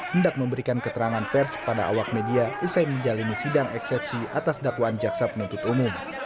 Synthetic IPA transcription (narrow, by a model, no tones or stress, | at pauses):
həndak̚məmbəɾikankət̪əɾaŋanpɛrspada̰a̰wak̚mediaʔusajməɲd͡ʒalinisidaŋɛksɛp̚sia̰t̪asdakwaːnd͡ʒaksapənunt̪ʊt̪umʊm